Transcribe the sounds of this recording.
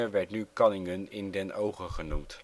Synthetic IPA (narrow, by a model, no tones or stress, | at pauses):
əʋɛɹtnykɑnɪŋənɪndɛnʔowχəχənumt